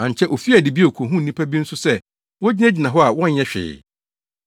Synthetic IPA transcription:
ã˨ɲ˨t͡ɕʰɛ˦ʔo˨fi˦a˨dɪ˨bi˦˨kʰo˨ɦũ˦n̩˨nĩ˦pʰa˦bi˦n̩˦sʊ˦sɛ˦ | wɔ˦d͡ʑi˦nɛ˦d͡ʑi˨nã˨ɦɔ˦a˨wɔ̃˦ɲ̩˦ɛ˦ɕᶣɪ̰ː˨

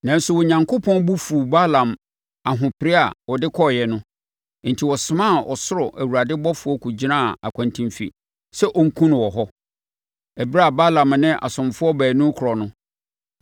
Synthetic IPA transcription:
nã˨n̩˦sʊ˦wɔ˨ɲã˨ŋkʰo˦pʰɔ̃˦nbu˦fu˨ba˦lã˨m | a˨ɦʊ̃˨pʰɪ˨ɾɪ˦a̰˨wɔ˨dɪ˦kʰɔ˦˨jɛ˨nʊ̃˦ | n̩˨tʰi˨wɔ˨sɪ˨mã˦˨ʔɔ˨sʊ˦ɾɔ˨ʔæ˨wu˨ɾa˨dɪ˦bɔ˦fʊ˨ɔ˦kʰu˨d͡ʑi˦nã˦˨a̰˨kʷʰã˨ntʰĩ˦mfḭ˨ | sɛ˦ʔɔ˦ŋ̩˦kʰũ˦nʊ̃˨wɔ˨ɦɔ˦ | æ˨bi˦ɾa˦a˨ba˦lã˨m˨nɪ̃˦ʔa̰˨sʊ̃˨mfʊ˦ɔ˦bæː˨nʊ̃˦kʰʊ˨ɔ˨nʊ̃˦

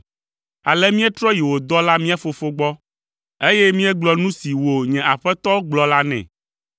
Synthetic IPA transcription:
a˨lɛ˦mĩ˦ɛ˦t̪ɾɔ˦ji˨wo˨d̪ɔ˦la˦mĩ˦a˦fo˨fo˦ɡ͡bɔ˦ | e˦jɛ˦mĩ˦ɛ˦ɡ͡blɔ˨nũ˦si˨wo˨ɲɛ̃˨a˨ɸɛ˦t̪ɔ˦ɡ͡blɔ˨la˦nɛ̰̃˨

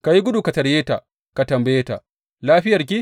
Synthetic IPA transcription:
ka˨ji˦ɡʷʊ˦duː˨ka˨tɐ˨ɾjeː˦ta̰˨ | ka˨tɐ˨mbɐ˨jeː˦ta̰˨ | laː˦ɸɪ˦jɐ˨rk̬ʲi˦

